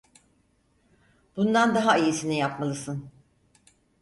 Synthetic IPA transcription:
b̥und̪and̪aɦaijisinijapmalˠɯsɯn

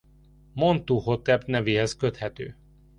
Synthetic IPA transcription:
mo̞nt̪uːho̞t̪ɛpnɛveːɦɛskøt̪hɛt̪ø̰ː

